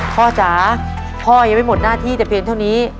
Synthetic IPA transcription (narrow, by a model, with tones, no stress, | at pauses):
pʰɔː˧˩t͡ɕaː˩˦ | pʰɔː˧˩ja˧˩ma˥˩jmo˨˩t̪̚naː˥˩t̪ʰiː˥˩t͡ɕɛ˨˩pʰi˧ənt̪ʰa˥˩niː˦˥